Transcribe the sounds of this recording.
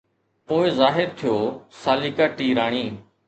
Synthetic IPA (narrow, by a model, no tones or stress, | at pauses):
poːɪzaːɦɪɾt̪ʰɪjoːsaːliːkaːʈiːɾaːɳ̃iː